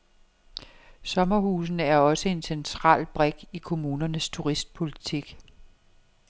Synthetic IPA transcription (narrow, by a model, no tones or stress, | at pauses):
sɒ̽mɐhuːsn̩æɐɒ̽səe̝nsent͡sʰʁɑ̰̈ːlb̥ʁɛɡ̥ikʰo̝muːnɐnəst͡sʰuʁisd̥̚pʰo̝lit͡sʰiɡ̥